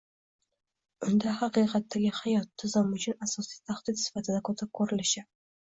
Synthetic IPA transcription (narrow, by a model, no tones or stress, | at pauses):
ʊnd̪ahaqiqɑt̪ʰːaɡʲɪhajɒt̪ʰːɪzɪmʊt͡ʃʰʊnasɒsijt̪ʰaχd̪̥ɪt̪sɪ̥fat̪ʰɪd̪akʰɵt̪ʰɪp̚kʰɵɾɪlɪʃɪ